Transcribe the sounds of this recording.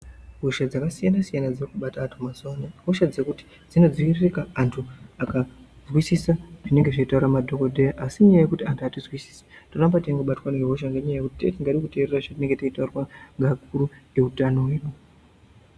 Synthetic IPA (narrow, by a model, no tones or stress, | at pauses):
ɦuʃad͡zakasijanasijanad͡zirikuɓataːntʰumasaneɦoʃad͡zekuti̥ | d͡zino̞d͡ziʋiririkaːntʰuaka | zwisisaʐine̞ŋɡe̞ʐaitauɾamadʱo̞kodʱejaʔasimɲajaje̞kutiantʰuatizwisi̥se̥torambataiŋɡoɓatwaneɦoʃ̬aŋɡeɲajaje̞kutitetiŋɡaɗikute̞ːreraʐatine̞ŋɡe̞teitaurwaŋɡak̚uɾue̞utano̞weːno